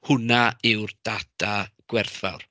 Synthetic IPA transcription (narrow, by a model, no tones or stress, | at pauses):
hʊnaɪwrd̥atʰaɡ̥wɛrθva̰wr